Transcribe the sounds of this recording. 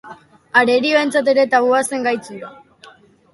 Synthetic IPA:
aɾe̞ɾio̞e̞nt͡sat̪̬e̞ɾe̞t̪aβuase̞ŋɡajt͡suɾa

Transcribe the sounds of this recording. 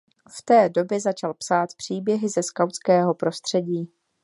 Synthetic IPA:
ft̪ɛːdo̞bjɛzat͡ʃalpsaːt̪pr̥iːbjɛɦɪzɛskawt͡skɛːɦo̞pɾo̞st̪r̝̥ɛɟiː

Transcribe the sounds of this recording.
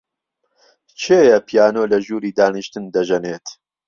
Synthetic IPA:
t͡ʃʰeːjɐpʰijaːnoːlɐʒuːɾiːd̪aːniʃt̪ɨnd̪ɐʒɐneːt̪

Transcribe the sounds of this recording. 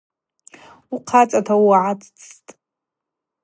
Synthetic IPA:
uqʰat͡sʼatʰawaʕat͡st͡sʰtʼ

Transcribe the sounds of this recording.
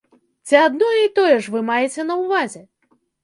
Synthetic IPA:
t͡sʲiad̪nɔjɛit̪ɔjɛʂvɨmajɛt͡sʲɛnɐwvazʲɛ

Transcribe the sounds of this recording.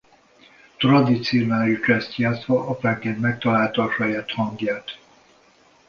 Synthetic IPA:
t̪rɒd̪it̪sionalit͡ʃɛst̪jaːt̪sʋɒʔɒfɛŋkenmɛk̚t̪ɒlaːlt̪ɒɒʃɒjaːt̪hɒŋɡjaːt̪

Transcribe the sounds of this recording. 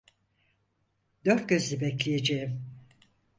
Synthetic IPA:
d̪ø̞ɾt̪̚ɟø̞zlʲibɛclʲijed͡ʒejim

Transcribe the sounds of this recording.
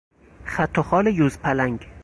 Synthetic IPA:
χat̪ʰːɔχɒlɪjuzpʰalaŋɡʲ

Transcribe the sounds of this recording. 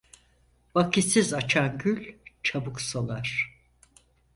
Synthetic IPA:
vakʰisizat͡ʃʰanɟylʲt͡ʃʰabuksalˠaɾ̥

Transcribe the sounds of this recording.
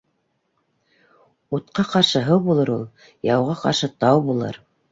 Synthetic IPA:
ut̪qɑqɑɾʃɤɦɤwbulˠɤɾulˠ | jɑwʁɑqɑ̰ɾʃɤt̪ɑwbulˠɤ̰ɾ

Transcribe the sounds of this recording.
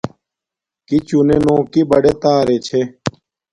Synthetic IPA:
kit͡ɕunenõːkibɐɖet̪aːɾet͡ɕʰe

